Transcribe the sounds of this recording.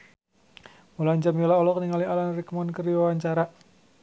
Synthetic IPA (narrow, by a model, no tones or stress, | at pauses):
mulaɲd͡ʒamilaɔlɔkniŋalialanrikmɔnkəriwawaɲt͡ʃaɾa